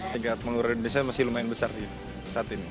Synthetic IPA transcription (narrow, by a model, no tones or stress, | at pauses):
t̪iɡat̪̚məŋuɾaindonesiamasɪhlumaɪnbəsardi | saːt̪ini